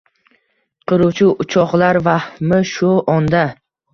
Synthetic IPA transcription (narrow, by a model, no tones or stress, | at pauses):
qʰɨɾuwt͡ʃʰɪʊt͡ʃʰɒqlaɾvahmɪʃʊʔɒnd̪a